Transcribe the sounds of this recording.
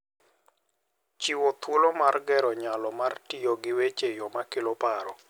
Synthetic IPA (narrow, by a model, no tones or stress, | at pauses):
t͡ʃiwot̪wolomarɡɛɾɔɲalɔmartɪjoɡɪwet͡ʃejɔmakɪlɔpaɾɔ